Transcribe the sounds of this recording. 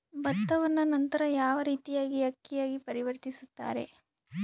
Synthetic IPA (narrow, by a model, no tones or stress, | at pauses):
bɐt̪ːɐʋɐnːɐnɐnt̪ɐɾɐjaːʋɐɾiːt̪ijaːɡiɐkːijaːɡipɐɾiʋɐɾt̪isut̪ːa̰ːɾe̞̰